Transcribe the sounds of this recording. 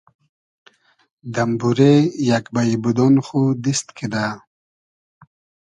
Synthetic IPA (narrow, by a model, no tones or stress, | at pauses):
d̪ambuɾejakbajibud̪onxud̪ist̪kʰid̪a